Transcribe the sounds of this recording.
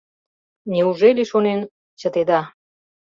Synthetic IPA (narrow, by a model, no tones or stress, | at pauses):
nʲeuʒelʲeʃonen | t͡ɕət̪ed̪ɑ